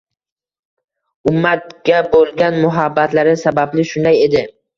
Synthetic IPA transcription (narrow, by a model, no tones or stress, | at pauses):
ʊmːat̪̚ɡʲabolˠɡʲanmʊɦabːat̪laɾɪsabablɪʃʊnd̪aje̞d̪ɪ